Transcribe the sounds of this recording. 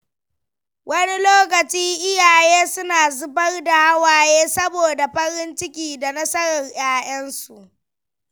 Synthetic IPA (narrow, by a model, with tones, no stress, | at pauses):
wɐ˦ni˦loː˦k̬ɐ˨t͡ʃiː˦ʔɪ˦jaː˨jeː˦sʊ˦naː˨zʊ˦bɐ˦rda˨ha˦waː˦jeː˦sɐ˦boː˨da˨ɸɐ˦ɾɪ˦nt͡ʃɪ˦kʲiː˨da˨nɐ˦sɐ˦ɾɐ˨ŋj̰aː˦j̰ɐ˦nsu˨ʔ